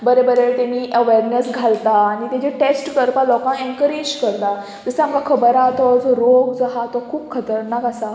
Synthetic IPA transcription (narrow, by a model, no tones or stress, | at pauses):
bəɾebəɾet̪aniːʔəʋeɾnesɡʱalt̪aːɽ̃it̪jãt͡ɕeʈesʈt̪əɾpalɔkãeɳkəɾed͡ʑkəɾt̪a | d͡zəseamkakʰəbəɾat̪ɔd͡zɔɾoɡd͡zaɦat̪ɔkʰuːbkʰət̪əɾnakasa